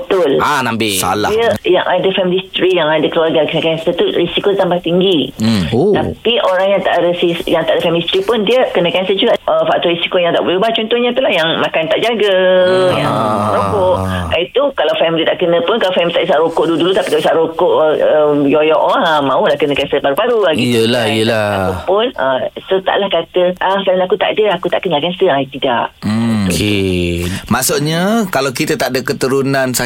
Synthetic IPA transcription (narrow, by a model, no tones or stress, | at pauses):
bət̪ʊlanambisa̰la̰əja̰ŋʔadəfɛmilist̪ɾijaŋadakəluarɡakənə̃kɛnsət̪urisikot̪ampat̪iŋɡiot̪apiʔoɾaŋjat̪a̰ʔadəsisjaŋt̪aʔadəfɛmilist̪ɾipʊnd̪iəkənə̃kɛnsəd͡ʒuɡaʔəfaʔ̚t̪ɔɾisi̥kojaŋt̪aʔbəlubat͡ʃɔnt̪ɔhɲat̪ulahjaŋmãkant̪aʔd͡ʒaɡəjaŋɾokoʔait̪ukalawfɛmilit̪aʔkənə̃pʊnkalafɛmilit̪aʔisaʔɾokoʔdudulut̪apikaisaʔɾokoʔəəjojɔʔɔəmãulahkənəkanst̪əpaɾupaɾulaɡiijəlahijəlaaupʊnə̰sət̪a̰ʔlahkat̪əʔafɛmiliakut̪a̰ʔdəakut̪a̰ʔkənəlakanst̪əajt̪idaʔm̩ke | maʔsuʔɲakalawkit̪ət̪aʔdəkət̪əɾunansa